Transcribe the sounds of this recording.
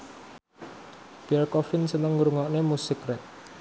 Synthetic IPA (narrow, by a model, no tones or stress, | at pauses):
b̥ɛlkɔfɪnsənəŋɾuŋɔʔnemusɪkɾɛt̪̚